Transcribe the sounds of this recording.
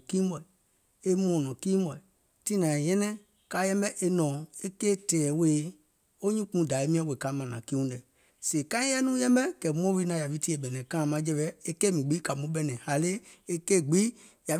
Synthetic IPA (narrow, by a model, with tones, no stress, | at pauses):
kĩː˦mɔ˨i˨ | e˦mɔ̃ː˨nɔ̃˨kĩː˦bɔ˨i˨ | ti˦nã˨jɛ̃˦nɛ̃˦ | kaː˨˦jɛ̃˦mbɛ˦ʔe˧nɔ̃˨e˦keː˦˨tɛː˨we˨˦˨ | o˦ɲĩ˦k͡pũ˨˦da˨e˦mĩ˦ã˦we˨ka˨˦mã˨nã˨kĩ˦ũ˦dɛ˨ | se˨kã˦ĩ˦jɛ˦nũ˦jɛ̃˦mbɛ˦kɛ˨mɔ̃˦vi˧˦nã˨ja˨vi˦ti˦e˨ɓɛ˨nɛ̃˨kã˦˨mã˨˦d͡ʒɛ˧ɓɛ˦e˦kɛː˦mĩ˨ɡ͡bi˨˦ka˨mũ˨˦ɓɛ˨nɛ̃˨ha˨le˦e˦keː˦˨ɡ͡bi˦ | ja˨